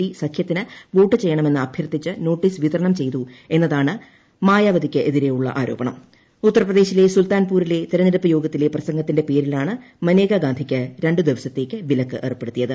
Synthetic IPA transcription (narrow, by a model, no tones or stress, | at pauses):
isɐkʰjɐt̪ːinɨʋoːʈːɨt͡ɕe̞jːɐɳɐme̞nːɨɐbʱjɐrt̪it͡ɕːɨno̞ːʈːiːsʋit̪ɐɾɐɳɐmt͡ɕe̞jt̪ue̞nːɐðaːɳɨ | maːjaːʋɐd̪ikʲːɨʔe̞ðiɾe̞juɭːɐ̰ʔaːɾo̞ːbɐɳɐm | ut̪ːɐrɐprɐðe̞ːɕile̞sult̪aːnpuːɾile̞t̪iɾɐniɾɐpːɐjo̞ːɡɐt̪ːile̞prɐsɐŋɡɐt̪ːinde̞pe̞ːɾilaːɳɨ | mɐne̞ːɡaɡaːnd̪ʱikʲːɨɾe̞ɳɖɨd̪iʋɐsɐt̪ːe̞ːkːɨʋilɐkːɨʔḛrɨpːe̞ɽut̪ːijɐðɨ